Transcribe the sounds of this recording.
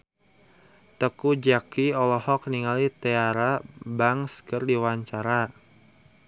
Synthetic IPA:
t̪əkud͡ʒakiɔlɔhɔk̚niŋalit̪ɛaɾabaŋskərdiwaɲt͡ʃaɾa

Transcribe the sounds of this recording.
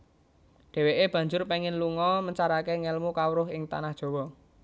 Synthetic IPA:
ɖ̥ɛ̤weʔeb̥ä̤ɲd͡ʒʊrpɛŋɪnluŋɔməɲt͡ʃaɾakeŋɛlmukawɾʊɦɪŋt̪a̰nahd̥ʒ̥ɔ̤wɔ

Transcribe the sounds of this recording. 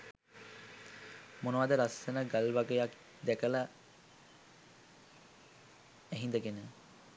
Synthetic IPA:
monəʋad̪əɾasənəɡalʋaɡəjak | d̪ɛkəla | æɦind̪əɡenə

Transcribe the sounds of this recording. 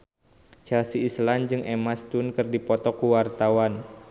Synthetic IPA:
t͡ʃɛlsiːsland͡ʒɨŋʔemast̪unkɨrdipɔt̪ɔkuwart̪awan

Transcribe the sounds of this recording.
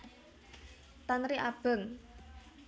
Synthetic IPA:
t̪anɾiʔab̥ə̤ŋ

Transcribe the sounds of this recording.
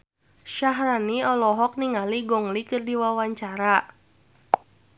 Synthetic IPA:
ʃaɦɾaniɔlɔɦɔk̚niŋaliɡɔŋlikɨrdiwawaɲt͡ʃaɾa

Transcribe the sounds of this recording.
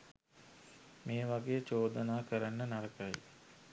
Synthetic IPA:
meːʋaɡejət͡ʃoːd̪ənaːkəɾanːənaɾəkaj

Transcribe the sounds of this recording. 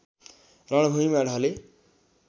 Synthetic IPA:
rʌɽ̃bʱuimaɽʱʌle

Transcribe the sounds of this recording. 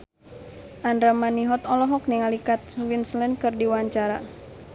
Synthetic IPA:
ʔandɾamaniɦɔt̪ɔlɔɦɔk̚niŋalikat̪̚winslɛnkɨrdiwaɲt͡ʃaɾa̰

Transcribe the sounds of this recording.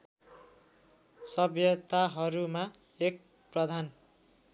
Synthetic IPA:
sʌbjʌt̪aɦʌɾuma | ek̚ | prʌd̪ʱan

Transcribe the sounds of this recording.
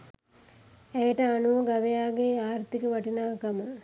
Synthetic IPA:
ejəʈəanuʋəɡaʋejaːɡeaːɾt̪ikəʋɐʈinaːkamə

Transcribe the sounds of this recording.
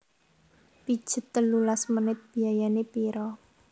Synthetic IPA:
pid̥ʒ̥ə̤t̪ːəlulasmənɪt̪̚b̥iajanepiɾɔ

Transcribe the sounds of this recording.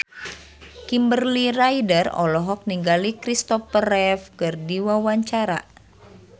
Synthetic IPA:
kimbərliɾajdərɔ̰lɔɦɔk̚niŋɡalikɾist̪ɔfərɛfkɨrdiwawaɲt͡ʃaɾa̰

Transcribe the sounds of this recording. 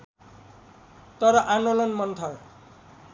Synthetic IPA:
t̪ʌɾʌʔandolʌnmʌnt̪ʰʌl

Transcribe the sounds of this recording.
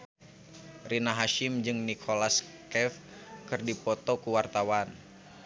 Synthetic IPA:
rinaɦaʃɪmd͡ʒɨŋnikʰolas | kɛf | kɨrdipɔt̪okuwart̪awan

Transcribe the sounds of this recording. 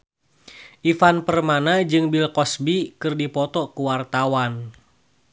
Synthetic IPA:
ʔifanpərmanad͡ʒɨŋbilkɔsbikɨrdipɔt̪ɔkuwart̪awan

